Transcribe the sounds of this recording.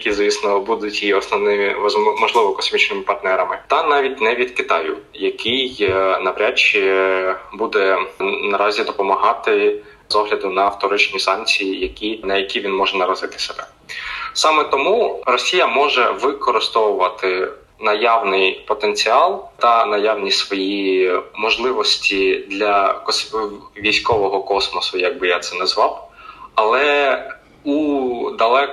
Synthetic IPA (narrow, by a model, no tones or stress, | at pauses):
jkʲizisnɔbud̪ʊtʲiɔsnɔnɪzmɔʒlˠɪʋɔkɔsmʲit͡ʃnɪmɪpɐrt̪nɛɾɐmɪt̪ɐnɑʋʲitʲnɛʋʲid̪kɪt̪ɑjʊ̰jɐkʰɪjnɐpɾʲat͡ʃːi | bud̪ɛnɐɾɑzʲid̪ɔpɔmɐɦɑt̪ɪ | zɔɦlʲɐd̪ʊnɐwt̪ɔɾɪt͡ʃnʲisɑnkt͡sʲijijɐkʲinɐjɐkʲiʋʲinmɔʒɛnɐɾɔzɪt̪ɪ̥seb̥ɛ | sɑmɛt̪ɔmurɔsʲijɐmɔʒɛʋɪkɔɾɪst̪ɔwʊʋɐt̪ɪ | nɐjɑwnɪjpɔt̪ent͡sʲiɑlˠt̪ɐnɐjawnʲisʋɔjimɔʒlˠɪʋɔsʲtʲid̪lʲɐkɔsʋʲijsʲkɔʋɔɦɔkɔsmɔsʊjɐɡ̚bɪjat̪sɛnɛzʋɑwɐlˠɛ | ud̪ɐlˠɛ